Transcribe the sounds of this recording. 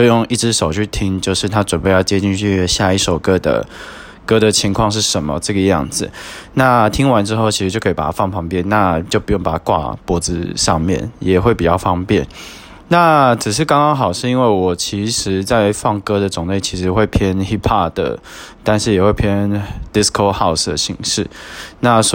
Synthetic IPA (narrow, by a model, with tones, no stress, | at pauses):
t͡ɕjo˥˧ʊjʊ˥˧ŋi˥˩ʈ͡ʂɻ̩˥ʂo˨˩ʊt͡ɕʰy˥˩t̪ʰi˥ŋt͡ɕjo˥˧ʊʂɻ̩˥˩t̪ʰa˥ʈ͡ʂwə˨˩npe˥˧ɪjɑ˥˩ʊt͡ɕjɛ˥t͡ɕi˥˧nt͡ɕʰy˥˧ɕja˥˧i˥˩ʂo˨˩ʊkɤ˦˥d̪ə̰˨ | kɤ˥d̪ə˨t͡ɕʰi˧˥ŋkʰwɑ˥˧ŋʂ̬ɻ̩˥˩ʂə˧˥nmə̰˧˦ʈ͡ʂɤ˥˩ɡə˩jɑ̰˥˩ŋd͡zɹ̩˨˩na˥˩t̪ʰi˥ŋwa˧˥nʈ͡ʂɻ̩˥xo˥ʊt͡ɕʰi˧˥ʂɻ̩˧t͡ɕjo˥˧˩kʰpa˨˩a˦fɑ˥˩ŋpʰɑ˧˥ŋpjɛ˥˨nna˥˧t͡ɕjo˥˩ʊpu˧˥jŋpa˨˩a˦˥kwa̰˥˩pwɔ˧˥d͡zɹ̩˧ʂɑ˥˧ŋmjɛ̰˥˩njɛ˨˩xwe˥˩ɪpi˨˩t͡ɕjɑ˥˧˩ʊfɑ˥ŋpjɛ˥˩n | na˥˩t͡s̩˨˩ʂ̬ɻ̩˥˩kɑ˥ŋkɑ˥ŋxɑ˨˩ʊʂɻ̩˥˩˧i˥nwe˥˩ɪwɔ˨˩t͡ɕʰi˧˥ʂɻ̩˧˥t͡sa˥˩ɪe˧˥ɪfɑ˥˩ŋkɤ˥d̪ə˨t͡sʊ˨˩ŋle˥˩ɪt͡ɕʰi˧˥ʂɻ̩˧˥xwe˥˩ɪpʰjɛ˥nxi˥pʰa˥˩d̪ə̰˩t̪a˥˧nʂɻ̩˥˩jɛ˨˩xwe˥˩ɪpʰjɛ˥nd̪i˥skʰo˥˧ʊxa˥˩ʊsd̪ə̰˩ɕḭ˧˥ŋʂɻ̩˥˩na˥˩s